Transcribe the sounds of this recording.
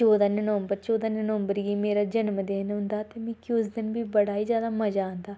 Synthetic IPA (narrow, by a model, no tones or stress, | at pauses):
t͡ʃoːd̪aːnənʋəmbəɾt͡ʃoːd̪aːnənəmbəɾɡiːmeːɾaːd͡ʒənmd̪eːnɦʊ̃nd̪aːt̪eːmɛ̃ːkiʊsd̪ɪnbiːbəɽaːiːzjaːd̪aːməd͡ʒãːnd̪aː